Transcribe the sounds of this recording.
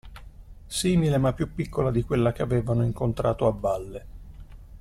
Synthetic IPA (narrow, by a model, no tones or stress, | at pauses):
siːmilemapːjupːikːolad̪ikwelːak̟eaveːvanoiŋkont̪ɾaːt̪oabːalːe